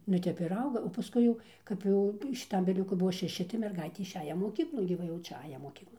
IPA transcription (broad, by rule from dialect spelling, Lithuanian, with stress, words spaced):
nʊ ˈtʲɛp ɪr ˈɐʊɡɐ oː pɐˈskʊɪ jɛʊ kɐp ˈjɛʊ ʃʲɪˈtɐm ʋʲɪˈlʲʊkʊ ˈbuɔ ʃʲɛˈʃʲɪ tɐɪ mʲɛrˈɡɐɪtʲeː ɪʃʲˈæːjɛ moːˈkʲiːklˠoːn ɡʲɪ ˈʋɐ jɛʊ ˈt͡ʃʲɛ ˈɑːjɛ moːˈkʲiːklˠoːn